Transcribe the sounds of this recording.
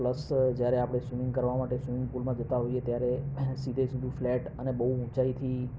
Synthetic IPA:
pləsd͡ʒjaɾeapɽ̃esumĩŋɡkəɾʋamaʈesumɪ̃ŋɡ̚pulmãd͡ʒət̪aɦoiet̪jaɾesid̪ʱesud̪ʱũflɛʈənebəɦuũt͡ʃait̪ʰi

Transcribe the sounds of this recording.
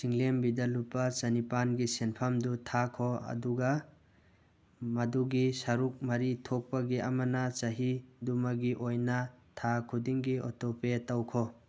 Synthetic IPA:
siŋlembidɐlupɐt͡ʃɐnipanɡisenpʰamdutʰakʰoɐ̰duɡɐ | mɐduɡisɐɾuk̚mɐɾitʰok̚pɐɡiʔɐmɐnɐt͡ʃɐɦidumɐɡiʔojnɐtʰakʰudiŋɡiɔ̰topetawkʰɔ

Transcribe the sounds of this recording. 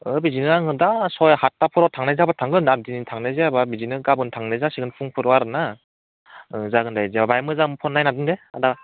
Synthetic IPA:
ɯbizinɯaŋɯdasɔjhatːapʰɯɾɔtʰaŋnazabatʰaŋɡɯnadinitʰaŋnazeababizinɯɡabɯntʰaŋnezasiɡɯnpʰuŋpʰɯɾɔaɾɯna | ɯzaɡɯndajzebabajmɯzamɯpʰɔnːajnadɯndea̰da

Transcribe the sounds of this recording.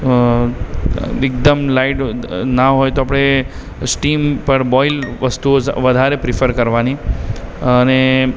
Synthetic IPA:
ek̚d̪əmlaiʈnaɦojt̪oapɽ̃e | sʈimpəɾbɔilʋəst̪uoʋəd̪ʱaɾepɾɪfʰəɾkəɾʋani | əne

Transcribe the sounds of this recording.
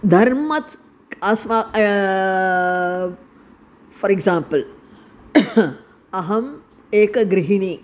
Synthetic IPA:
d̪ʱɐɾmɐt͡s | ɐsʋa | fɐɾeɡzãːmpəl | ɐɦɐm | eːkɡɾiɦiɳiː

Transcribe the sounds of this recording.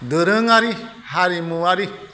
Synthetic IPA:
d̪əɾə̃ŋaɾi | haɾimũaɾi

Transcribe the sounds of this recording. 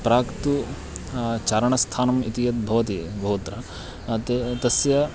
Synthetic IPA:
pɾaːkt̪u | t͡ʃaːɾɐɳɐst̪ʰaːnɐmit̪ijɐt̪̚bʱɐʋɐt̪ibʱɐɦut̪ɾɐ | t̪et̪ɐsjɐ

